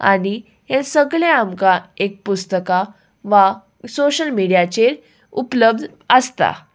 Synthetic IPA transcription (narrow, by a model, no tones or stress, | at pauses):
a̰ɽ̃i | hesəɡɭeamkaek̚pust̪əka | ʋa | soɕəlmiɽijat͡ɕeɾ | upləb̚d̪ʱ | əst̪a̰